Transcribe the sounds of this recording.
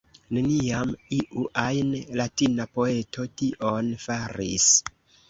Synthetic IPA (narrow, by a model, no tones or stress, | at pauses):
ne̞niamiʔuʔajnlatinapo̞e̞tʰo̞tiʔo̞nfaɾḭs